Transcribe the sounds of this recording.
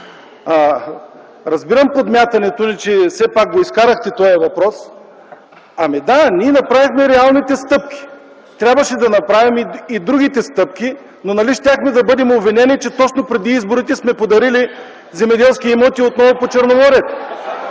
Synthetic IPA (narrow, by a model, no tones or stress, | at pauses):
a | ɾɐzbiɾɐmpod̪mʲjat̪ɐnɛt̪onit͡ʃɛsɛpak̚ɡoiskaɾɐxt̪ɛt̪ɔjɐvɐpɾɔs | ɐmid̪anʲiɛnɐpɾavixmɛɾɛalˠnit̪ɛst̪ɤp̚kʲi̥ | t̪ɾʲabvɐʃɛd̪ɐnɐpɾavimiid̪ɾuɡʲit̪ɛst̪ɤp̚kʲi | nonɐliʃt̪ʲjaxmɛd̪ɐbɤd̪ɛmobvinɛnit͡ʃɛt̪ɔt͡ʃnopɾɛd̪iizboɾit̪ɛsmɛpod̪ɐɾili | zɛmɛd̪ɛlˠskʲiɛmɔt̪iot̪nɔvopot͡ʃəɾnovɔɾɛt̪